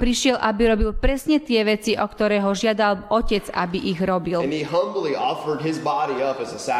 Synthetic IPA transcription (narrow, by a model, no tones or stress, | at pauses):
pɾiʃɪɛlʔabiɾɔbilpɾɛsɲɛt̪ɪɛʋɛt͡siʔɔkt̪ɔɾɛːɦɔʒɪad̪alɔcɛd͡za̰biʔiɣɾɔbilɨ̃niɦʌ̃mbl̩ˠiʔɔfə˞d̚ɪzbɑɾiʌpɨzəsæ